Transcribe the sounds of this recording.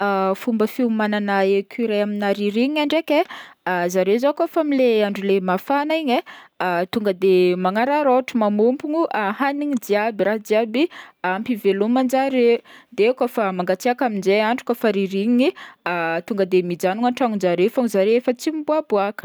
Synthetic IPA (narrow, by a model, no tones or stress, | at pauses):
afumbəfiumananaekʰyɾaaminaɾiɾiɲiaɳɖ͡ʐekeazaɾezokofamileaɳɖ͡ʐulemafanaiɲet̪uŋɡəd̪emaŋaɾaɾoʈ͡ʂəmamumpuɲuʔahaniɲid͡ziabiɾaɦd̪iabiampivelomand͡ʒaɾed̪ekofamaŋɡat͡siakaminzeaɳɖ͡ʐukafaɾiɾiɲiiat̪uŋɡəd̪emid͡ʒanuŋaʈ͡ʂaŋud͡ʒaɾefaŋzaɾeefət͡simbuabuakə̥